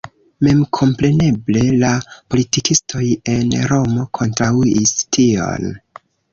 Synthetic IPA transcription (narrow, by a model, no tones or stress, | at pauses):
me̞mkʰo̞mpɾe̞ne̞ble̞lapo̞litikistʰo̞je̞nɾo̞mo̞kʰo̞ntɾauistʰio̞̰n